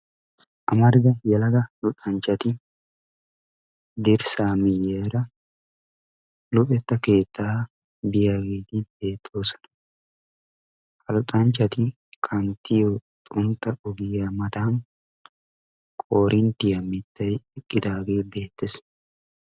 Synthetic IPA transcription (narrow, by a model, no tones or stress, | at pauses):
ʔɐmɐɾd̪ɐjɐlɐɡɐlʊt̪ʼɐnt͡ʃɐt̪ɪ | d̪ɪɾsaːmɪjeːɾɐ | lʊt̪ʼɛt̪ːɐke̞ːt̪ːaː | bɪjaɡeːt̪ɪbeːt̪ːoːsɐ̥n | kʰɐlʊt̪ʼɐnt͡ʃɐt̪ɪ | kʰɐnt̪ɪjot̪ʼʊnt̪ʼɐʔʊɡɪjɐmɐt̪aːŋ | kʼoːɾɪnt̪ɪjɐmɪt̪ːɐjɪkʼːɪd̪aːɡeːbe̞ːt̪ːɪs